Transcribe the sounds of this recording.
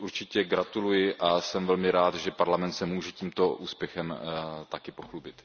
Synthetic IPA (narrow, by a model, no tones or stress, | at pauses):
ʔuɾt͡ʃɪcɛɡɾat̪ulujɪʔasɛmvɛlmɪɾaːt̪ʒɛpaɾlamɛnt̪sɛmuːʒɛciːmt̪oʔuːspjɛxɛmt̪akɪpoxlubɪt̪